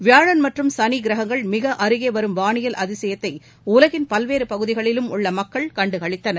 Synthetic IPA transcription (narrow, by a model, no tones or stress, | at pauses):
ʋɪjaːɻɐnmɐʈrɯmsɐniɡɪɾɐɦɐŋɡɐɭmɪɣɐʔɐɾɯɣeːʋɐɾɯmʋaːɳɪjɐlʔɐðɪsɛjɐt̪ːɐɪ | ʊlɐɣɪnpɐlʋeːɾɯpɐɣɯðɪɣɐɭɪlɯmʊɭːɐmɐkːɐɭkɐɳɖɯkɐɭɪt̪ːɐnɐɾ